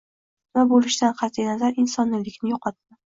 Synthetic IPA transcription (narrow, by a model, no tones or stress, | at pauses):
vabolɪʃd̪anqʰɑt̪ʰijnazaɾɪnsɒnːɪlɪkʲnɪjoqʰɒt̪ːɪ